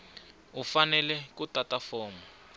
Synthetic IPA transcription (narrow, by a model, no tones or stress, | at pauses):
ufanɛlɛk̬utʼatʼafɔːmɔ